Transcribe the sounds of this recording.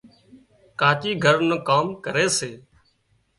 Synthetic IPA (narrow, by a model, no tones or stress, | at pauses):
kaːt͡ʃiːɡʱəɾnəkaːmkəɾeːseː